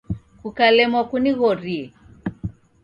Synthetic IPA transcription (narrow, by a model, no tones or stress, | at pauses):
kukalɛmwakuniɣɔɾiɛ